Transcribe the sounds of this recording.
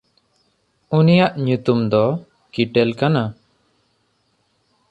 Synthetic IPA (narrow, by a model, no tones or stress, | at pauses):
unijaʔɲut̪umd̪ɔ | kiʈɛlkana